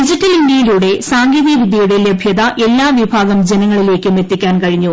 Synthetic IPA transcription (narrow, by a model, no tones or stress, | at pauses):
id͡ʑitːɐlindjɐjiluːɽe̞saːŋɡiːðiɐʋid̪ʱjɐjuɽelɐbʱjɐðɐʔe̞lːaːʋibʱaːɡɐmd͡ʑe̞nɐŋːɐɭile̞ːkːɨmet̪ːikʲːaːnkɐɻiɲːu